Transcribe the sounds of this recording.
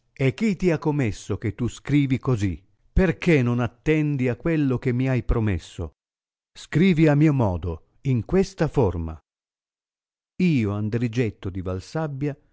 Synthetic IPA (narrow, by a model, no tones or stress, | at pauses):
ek̟ːit̪ːiakːomesːoket̪ːuskɾiːvikozi | perkenonat̪ːɛnd̪iakːwelːok̟emːiajpɾomḛsːo̰ | skɾiːviamːiːomɔːd̪o | iŋkwest̪aforma̰ | iːoand̪ɾid͡ʒet̪ːod̪ivalsabːja